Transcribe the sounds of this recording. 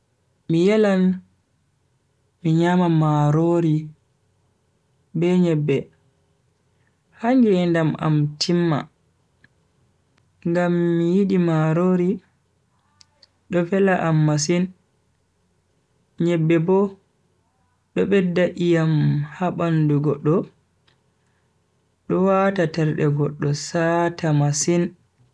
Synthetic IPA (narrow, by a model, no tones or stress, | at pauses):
mijɛlan | miɲamamaɾoɾi | bɛɲɛbːɛ | haŋɡɛndama̰mtʰimːa̰ | ŋɡamːijiɗimaɾoːɾi | ɗɔvɛlaʔamːas̬in | ɲɛbːɛbɔ | ɗɔɓɛdːaʔijamhaɓanduɡɔɗːɔ | ɗɔwatatɛɾɗɛɡɔɗːɔsatamasin